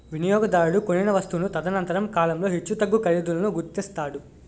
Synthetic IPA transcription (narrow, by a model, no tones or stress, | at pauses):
ʋinijɔːɡɐd̪aːjuɽukoninɐʋɐst̪unut̪ɐd̪ɐnɐnt̪ɐɾɐmkaːlɐmlo̞ːɦit͡ʃːut̪ɐɡːukɐɾid̪ulɐnuɡuɾt̪ist̪aːɽu